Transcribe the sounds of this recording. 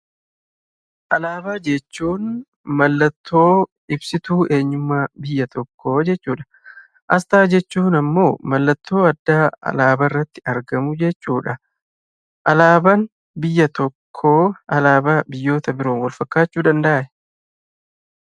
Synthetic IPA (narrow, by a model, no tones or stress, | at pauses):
ʔɐlaːbaːd͡ʒɛt͡ʃːuːn | mɐlːɐt̪ːo̞ː | ɪbsɪt̪uːʔe̞ːɲːʊmːaːbɪjːɐt̪ʰɔkːo̞ːd͡ʒɛt͡ʃːuːᶑɐ̥ | ʔɐst̪aːd͡ʒɛt͡ʃːuːnɐmːo̞ːmɐlːɐt̪ːo̞ːɐd̪ːaːɐ̰laːbɐrːɐt̪ːɪ̥ɐɾɡɐmʊd͡ʒɛt͡ʃːuːᶑɐ | ʔɐlaːbɐn | bɪjːɐt̪ɔkʰːoːʔɐlaːbaːbɪjːo̞ːt̪ɐbɪɾo̞ːnwɐlfɐkːaːt͡ʃːuːd̪ɐnd̪ɐʔɐʔɛ̥